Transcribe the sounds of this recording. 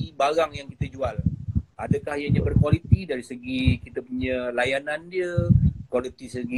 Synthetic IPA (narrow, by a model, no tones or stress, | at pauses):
ibaɾaŋjaŋkit̪ad͡ʒualadəkahjaɲãbərkwalit̪idaɾisəɡikit̪əpuɲəlajanãndiəkwalit̪isəɡi